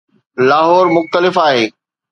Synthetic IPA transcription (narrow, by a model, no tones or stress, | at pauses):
laːɦɔːɾmʊxt̪əlɪfaːɦeː